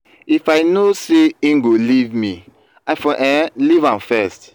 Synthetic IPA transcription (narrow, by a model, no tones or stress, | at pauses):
ifaɪnoseĩŋɡolivmi | aɪfɔ̃ʔɛlivãmfɛst